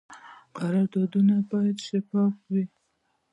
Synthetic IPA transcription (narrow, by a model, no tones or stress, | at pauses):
qaɾɑɾd̪ɑd̪unabɑjad̪ʃafɑfwi